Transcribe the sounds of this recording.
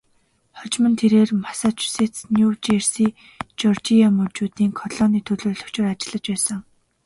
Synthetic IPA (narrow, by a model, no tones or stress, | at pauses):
χɔt͡ɕmə̆nt̪ʰeɾeːrmasaːt͡ɕu̥set͡snjut͡ɕersiː | t͡ɕɔrt͡ɕiamɵrt͡ɕuːt̪iːŋkʰɔɮɔːniːt̪ʰɵɮoːrɮɵ̥̆kt͡ɕɪ̆rat͡ɕɪ̆ɮə̆t͡ɕpæːsə̆ŋ